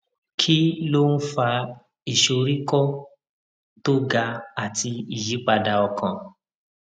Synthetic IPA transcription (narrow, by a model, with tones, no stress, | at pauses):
kʰi˦lo˦n̩˦fa˧ | i˨ʃo˧ɾi˦kɔ˦ | to˦ɡa˧a˨ti˧i˨ji˨˦k͡pa˧da˧ɔ˧kã˨